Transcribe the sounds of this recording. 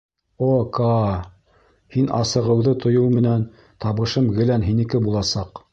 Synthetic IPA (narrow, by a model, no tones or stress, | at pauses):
okɑ | hinʔɑ̰sɤ̆ʁɤ̆wðɤt̪ʰŏjɤwmɘ̆næn | t̪ɑβɤ̆ʃɤmɡɘ̆lænɦinɘ̆kɘbulˠɑsɑq